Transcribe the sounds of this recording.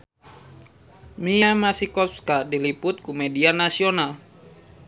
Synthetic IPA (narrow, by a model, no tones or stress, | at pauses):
miamasikɔfkadilipʊt̪̚kumedianasional